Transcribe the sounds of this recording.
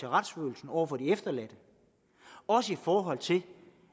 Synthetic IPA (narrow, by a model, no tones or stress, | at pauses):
e̝ʁad̥sfø̰ːl̩sn̩ɒʊ̰ɐfɒ̽d̥iefd̥ɐlæd̥ə | ɒ̽səifɒːɦɒ̽l̰t͡sʰe̝l